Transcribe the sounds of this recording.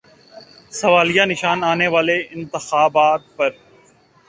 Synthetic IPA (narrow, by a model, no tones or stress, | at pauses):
sɐʋaːlijanɪʃaːnaːneʋaːleɪ̃nt̪ɪxaːbaːt̪̚pɐɾ